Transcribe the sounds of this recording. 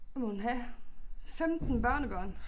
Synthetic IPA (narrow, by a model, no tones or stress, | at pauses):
munɦæ | femd̥n̩b̥ɶɐ̰nəb̥ɶɐ̰n